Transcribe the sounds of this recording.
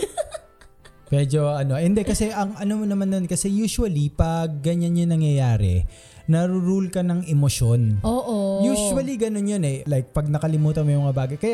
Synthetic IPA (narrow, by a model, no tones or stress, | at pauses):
mɛd͡ʒo̞ɐno̞ʔɛnd̪ɛkɐsɛʔɐŋʔɐnomonɐmanːonkɐsɛjuːsuwɐlipɐɡ̚ːɐɲanjonɐŋjɐjaːɾɛ̰ | nɐɾʊɾulkɐnɐŋɛmoʃo̞noːʔojuːʃuwɐliɡɐno̞njonɛlajk̚pɐɡ̚nɐkɐlɪmuːt̪ɐmɐjmɐŋabaːɡɐjkɐja